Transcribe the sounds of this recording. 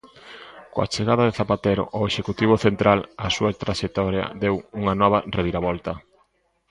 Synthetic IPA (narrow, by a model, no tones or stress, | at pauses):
koa̰t͡ʃeɣaðɐðeθapat̪eɾo̰ʔoeʃekut̪iβ̞oθent̪ɾalɐsuat̪ɾaʃek̚t̪ɔɾjɐ̰d̪ewuŋɐnɔβ̞areβiɾaβɔlt̪ɐ